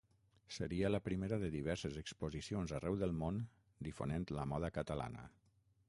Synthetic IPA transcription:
səɾiələpɾimeɾəðəðiβ̞ɛɾsəzəkspozisionzarɛwðəlˠmon | d̪ifo̰nent̪ləmɔðəkət̪əla̰nə̰

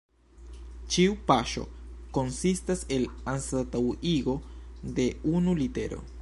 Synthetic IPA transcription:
t͡ʃiupaʃo̞̰ko̞nsistase̞lansatawiɡo̞de̞unulite̞̰ɾo̞̰

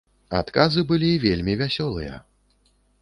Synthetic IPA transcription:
a̰t̪kazɨbɨlʲivʲelʲmʲivʲasʲɔlˠɨjɐ̰

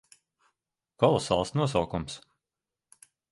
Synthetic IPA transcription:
kɔlˠɔsa̰ːlˠsnuɔs̬awkums

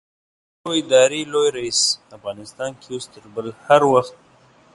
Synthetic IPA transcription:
oɪd̪ɑɾelojɾaisafɣɑnɪst̪ɑnkʰeost̪əɾbəlhaɾwaxt̪̚

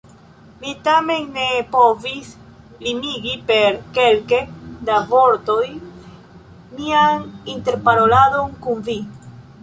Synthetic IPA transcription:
mitame̞nːepovis | limiɡipe̞ɾke̞lkedavo̞ɾto̞j | mianinte̞ɾpaɾo̞lado̞nkunvi

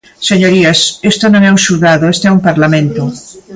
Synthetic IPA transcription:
seɲoɾiasest̪onõŋɛũŋsulðaðoest̪oɛumpaɾlamẽnt̪o

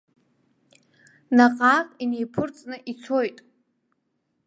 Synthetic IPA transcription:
naqʼaːqʼinejpʰɨrt͡sʼnɨʔit͡sʰo̞jtʼ

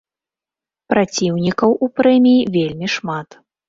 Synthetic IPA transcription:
pɾat͡sʲiwnʲikɐwʔupɾɛmʲijivʲelʲmʲiʂmat̪

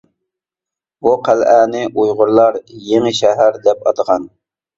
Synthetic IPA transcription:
buqʰælæːnɪʔujʁʊɾlˠɑɾjeŋɪʃɛɦæɾd̪ɛpɑ̰t̪əʁɑn

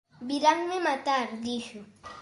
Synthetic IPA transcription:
bɪɾaŋmɪmat̪aɾd̪ɪʃʊ

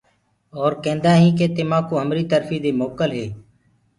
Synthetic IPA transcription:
ɔːɾkɛ̃ːnd̪aːɦĩːkeːt̪ɪmãːkoːɦəmɾiːt̪əɾfiːd̪eːmoːkəlɦeː

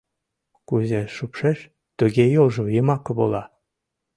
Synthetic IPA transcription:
kuzeʃupʃeʃ | t̪uɣejolʒɤ̆jemɑkɤ̆βolˠɑ

